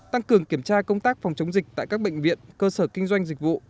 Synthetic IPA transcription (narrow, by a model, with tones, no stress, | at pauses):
t̪a˧ŋkɨ˨˩əŋki˧˩əmt͡ɕaː˧kə˧wŋ͡mt̪aː˦˥k̚fa˨˩wŋ͡mt͡ɕə˨˦wŋ͡mzï˨˩k̟̚t̪a̰ː˧˨jkaː˦˥k̚ɓə̰˧˨ŋ̟vḭ˧˨ənkəː˧səː˧˩kï˧ŋ̟zwa˧jŋ̟zï˨˩k̟̚vṵ˧˨